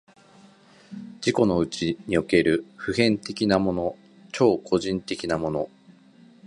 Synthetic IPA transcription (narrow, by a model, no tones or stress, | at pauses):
d͡ʑiko̞no̞ɯ̟t͡ɕiɲ̟io̞ke̞ɾɯ̟ɸɯ̟hẽ̞nt̪e̞kʲinamo̞no̞ | t͡ɕo̞ːkʰo̞ʑĩnt̪e̞kʲinamo̞no̞